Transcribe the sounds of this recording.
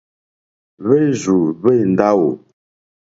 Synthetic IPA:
βe˦zu˨βe˦˨n̩˨da˦wu˨

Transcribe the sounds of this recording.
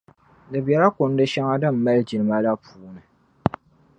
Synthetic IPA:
dɨ˨bjɛ˨ɾa˦kʊ˨n˦dɨ˦ʃa˦ŋa˦dɨ˦m̩ː˨a˦ld͡ʒi˨lɨ˨ma˦la˦pʰuː˨˦nɨ˨

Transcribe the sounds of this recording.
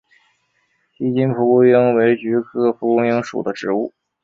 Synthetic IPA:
t͡ɕi˥t͡ɕi˥npʰu˧˥ku˥jɤ˥ŋwe˧˥ɪt͡ɕy˧˥kʰɤ˥pʰu˧˥kʊ˥ŋjɤ˥ŋʂṵ˨˩d̪ə˦ʈ͡ʂɻ̩˧˥u˥˩

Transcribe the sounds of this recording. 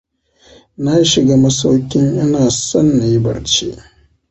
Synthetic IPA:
na˦ji˦ʃɪ˨ɡaː˦mɐ˦sa˦wkʲɪ˦ŋʔɪ˦naː˨sɐ˦nːa˨ji˦bɐ̰˨ɽt͡ʃḛ˦ʔ

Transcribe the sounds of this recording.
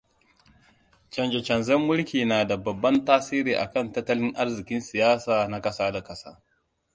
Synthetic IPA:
t͡ʃɐ˨nd͡ʒɛ˨t͡ʃɐ˨nzɛ˦mːʊ˦lkʲiː˨naː˨da˨bɐ˨bːɐ˦ntaː˦siː˦ɾiː˨ʔa̰˨kɐ˦˨ntɐ˦tːɐ˦lɪ˦ŋʔa˦rzɪ˨kʲɪ˦nsɪ˨jaː˦saː˨na˦kɐ˦saː˦da˨kɐ˦sa̰ː˦

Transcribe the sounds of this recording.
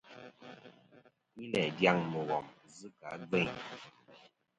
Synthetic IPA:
ɲi˦lɛ˨dja˦ŋmə˨ɣɔ˨mzɨ˦ka˨˦ɡ͡be˦˨ɲ

